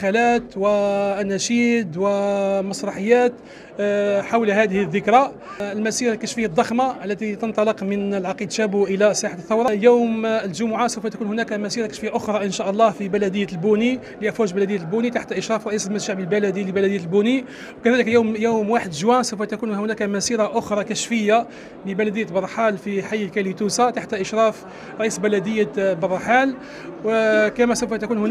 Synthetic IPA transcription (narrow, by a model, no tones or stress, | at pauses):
xælæt̪wænːæʃid̪wæmɑsˤɾˤɑħəjːæt̪ | ħawlhæd̪əhəðːəkɾɑ | əlmæsiɾakæʃfihæd̪ˤːɑxmaʔəlːæt̪it̪ənt̪ˤɑləqmənəlʕɑqid̪ʃæbʔəlæsˤɑħaθːɑwɾˤɑjuwmlʒʊmʊʕasəwfæt̪ækunhʊnækæmæsiɾakæʃfihæʔʊxɾˤɑʔənʃæʔɑlˤːɑhfibælæd̪əjːælbuni | liʔæfwæʒbælæd̪əjːlbunit̪aħt̪ʔəʃɾˤɑfɾˤɑʔisəlmæd̪ʒaʕbəlbælæd̪iləbælæd̪əjːælbuni | wkæd̪æləkjuwmjuwmwaħəd̪ʒwænsəwfæt̪ækunʊnækæmæsiɾɑʔʊxɾˤɑkæʃfəjːa | ləbælæd̪əjːæt̪bɑrˤːħalfiħajːlkælit̪usat̪aħt̪ʔəʃɾˤɑf | ɾˤɑʔisbælæd̪əjːabɑrˤːħal | wkæmæsəwfæt̪ækunhʊn